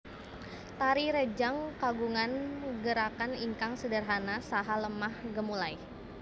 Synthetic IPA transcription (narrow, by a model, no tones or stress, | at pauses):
t̪aɾiɾed͡ʒaŋkaɡuŋanɡəɾakaniŋkaŋsədərɦanasaɦaləmahɡəmulaj